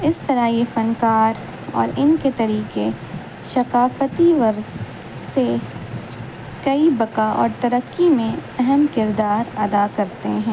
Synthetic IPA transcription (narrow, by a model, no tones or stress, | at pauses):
ɪst̪ɐɾajefɐnkaːɾ | ɔ̰ːɾɪnket̪ɐɾiːqe | ʃɐqaːfət̪iʋɐɾz | se | kɐibɐkaʔɔ̰ːɾt̪ɐɾəkːimẽɛɦɛmkɪɾd̪aːɾɐd̪akɐɾt̪eɦɛ̃ː